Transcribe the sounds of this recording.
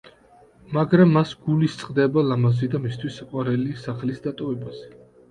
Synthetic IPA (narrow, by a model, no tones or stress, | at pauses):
maɡɾamːasɡ̥ulist̪sʼqʼd̪ɛbalamazid̪amist̪ʰwisaqʼwaɾɛlisaχlisd̪at̪ʼɔvɛbaz̥ɛ